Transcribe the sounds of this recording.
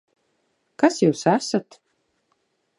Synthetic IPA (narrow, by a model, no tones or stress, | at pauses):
kasjuːsæsat̪